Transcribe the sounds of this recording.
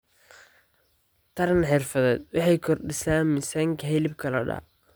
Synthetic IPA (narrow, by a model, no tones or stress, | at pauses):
t̪ʰɐɾɐnħɪrfɐðɛːd̪wɑħɑjkʰɔrɖɪsaːnmɪsaːŋkʰɐɦɛlɪb̚kʰɐlɐɖɑ̰ː